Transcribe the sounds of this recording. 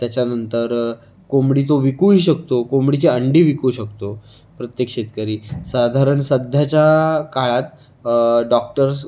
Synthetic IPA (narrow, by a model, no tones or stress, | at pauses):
t̪jat͡ɕjanənt̪əɾ | komɽit̪oʋikuɦiːɕək̚t̪okomɽit͡ɕeəɳɖiʋikuɕəkt̪o | pɾət̪jəkʂet̪kəɾiːsad̪ʱaɾəɳsəd̪ʱjat͡ɕjakaɭat̪ | ɖɔk̚ʈəɾs